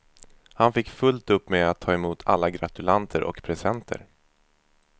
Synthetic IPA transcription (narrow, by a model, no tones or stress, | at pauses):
hanfɪkːfɵlt̪ɵpːmeːat̪ʰːɑːɛmuːt̪ʰa̰lːaɡɾat̪ɵlant̪ʰəɾʔɔ̰kpʰɾɛsɛnt̪ʰə̰ɾ